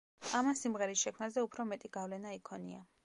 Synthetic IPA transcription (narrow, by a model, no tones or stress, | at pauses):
amansimʁɛɾisʃɛkʰmnazɛupʰɾɔmɛt̪ʼiɡavlɛnaikʰɔnia̰